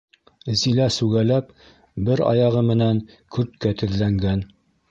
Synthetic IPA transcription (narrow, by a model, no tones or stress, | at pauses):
zilæsʉɡælæp̚ | bɘɾɑ̰jɑʁɤmɘ̆næŋ | kɵɾt̪̚kæt̪ɘ̆ðlæŋɡæn